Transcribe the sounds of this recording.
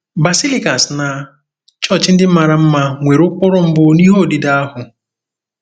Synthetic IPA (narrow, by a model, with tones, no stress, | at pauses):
ba˨si˦li˦ka˨sna˨ | t͡ʃɔ˦˨t͡ʃɪ˦n̩˦dɪ˦m̩˦ma˨ɾa˨m̩˦ma˦˨ŋʷe˨ɾʊ˦k͡pʊ˦ɾʊ˦m̩˦bʊ˦ni˦ɦo˦˨di˨da˦a˦ɦʊ˨